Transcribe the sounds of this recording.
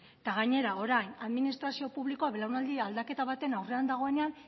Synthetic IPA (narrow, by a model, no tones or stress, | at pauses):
t̪aɣ̞aɲe̞ɾao̞ɾajnaðminist̪ɾasio̞puβliko̞aβelawnald̪iald̪ake̞t̪aβ̞at̪e̞nawre̞and̪aɣ̞o̞e̞ne̞an